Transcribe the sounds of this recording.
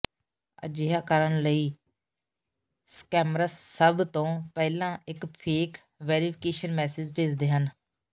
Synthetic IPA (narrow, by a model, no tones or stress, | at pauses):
ə̰d͡ʒɪɦaːkəɾəɳləiː | skɛːmɾaːsəbt̪õːpɛːlãːɪkpʰeːk | ʋɛːɾipʰɪkeːʃənmɛːsɪd͡ʒpʰeːd͡ʒd̪eːɦən